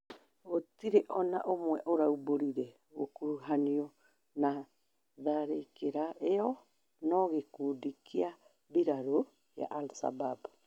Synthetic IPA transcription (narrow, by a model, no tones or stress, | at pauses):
ɣotiɾeʔɔnaʔomwɛʔoɾauboɾiɾɛ | ɣo̰kuɾuɦaniɔ | na | ðaɾeikeɾaeɔ | nɔɣekudikʰia | biɾaɾo | ja̰ʔalsa̰bab